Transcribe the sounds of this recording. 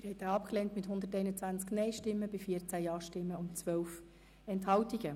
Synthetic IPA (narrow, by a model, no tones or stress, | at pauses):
ɪɾhɛjt̪aːɑpklɛːntmɪthʊnd̪əɾtɛɪnət͡sʋænt͡sknɛɪʃtɪmːəbɪfiəɾt͡sæjɑːʃtɪmːəʊnt͡sʋœwf | ɛnthɑwtiɡ̥ə